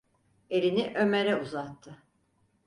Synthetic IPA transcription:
e̞lʲiniʔø̞me̞ɾɛuzat̪ʰːɯ

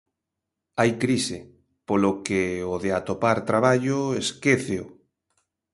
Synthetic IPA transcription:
ajkɾise | polokeoðeat̪opaɾt̪ɾaβaʎoeskeθeo

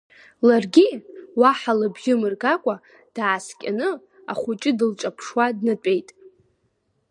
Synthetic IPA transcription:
larɡʲiwaħalɨbʒʲɪmɨrɡakʷʼa | d̥aːskʲʼa̰nɨ | a̰χʷut͡ʃʼɪdɨlt͡ʃʼapʰʂwadnɨtʷʼe̞jtʼ

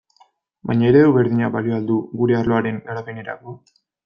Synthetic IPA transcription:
bajɲaeɾeðowβeɾðiɲabalioald̪uɡuɾe̞arlo̞aɾe̞neɾapene̞ɾa̰ko̞

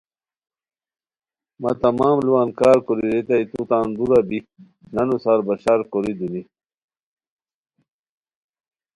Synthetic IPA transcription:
mɐ̰t̪ɐmaːmluwaːnkaːɾkoɾiɾet̪ɐit̪ut̪aːnd̪uɾabi | nɐnusaɾbɐɕaɾkoɾid̪uni

